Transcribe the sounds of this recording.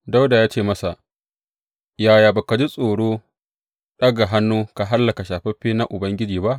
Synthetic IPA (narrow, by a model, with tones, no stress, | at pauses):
da˦wda˨jaː˦t͡ʃeː˦˨mɐ˦sa˨ʔ | jaː˨jaː˨ba˨ka˨d͡ʒi˦sʼoː˨ɽoː˦ | ɗɐ˦ɡa˨ɦa˦nːuː˦ka˨ɦa˦lːɐ˨ka˨ʃaː˨ɸɛ˦ɸiː˦na˦ʔʊ˨bɐ˦ŋɡʲɪ˦d͡ʒiː˨ba˦ʔ